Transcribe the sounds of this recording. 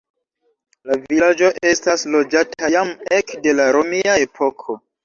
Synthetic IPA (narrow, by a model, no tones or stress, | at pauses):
lavilad͡ʒo̞ʔe̞staslo̞d͡ʒatʰajamekde̞laɾomiae̞pʰo̞kʰo̞